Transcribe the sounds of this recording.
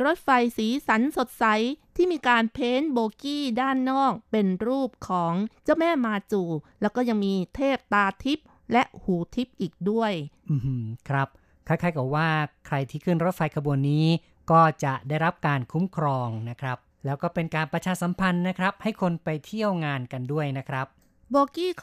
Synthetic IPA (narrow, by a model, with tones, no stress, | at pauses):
ɾo˦˥t̪̚fa˧jsiː˩˦sa˩˦nso˨˩t̪̚sa˨˩˦jt̪ʰiː˥˩miː˧kaː˧npʰeː˦˥nboː˧kiː˥˩daː˥˩nːɔː˥˩k̚pe˧nɾuː˥˩p̚kʰɔː˩˦ŋt͡ɕa˥˩wmɛː˥˩maː˧t͡ɕuː˨˩lɛː˦˥wkɔː˥˩ja˧ŋmiː˧t̪ʰeː˥˩p̚t̪aː˧t̪ʰi˦˥p̚ | lɛ˦˥ʔhuː˨˩t̪ʰi˦˥p̚ʔiː˨˩k̚du˥˩əjʔɯː˨˩˧kʰɾa˦˥p̚ | kʰa˥˩kʰaː˦˥jkɔː˨˩waː˥˩kʰɾa˧jt̪ʰiː˥˩kʰɯː˥˩nɾo˦˥t̪̚fa˧jkʰa˧bu˧ənːiː˦˥ | kɔː˥˩t͡ɕa˨˩ʔdaː˥˩jɾa˦˥p̚kaː˧nkʰu˦˥mkʰɾɔː˧ŋna˦˥kʰɾa˦˥p̚lɛː˦˥wkɔː˥˩pe˧nkaː˧npɾa˧t͡ɕʰaː˧sa˩˦mpʰa˧nːa˦˥kʰɾa˦˥p̚ha˥˩jkʰo˧npa˧jt̪ʰi˥˩əwŋaː˧nka˧ndu˥˩əjna˦˥kʰɾa˦˥p̚ | boː˧kiː˥˩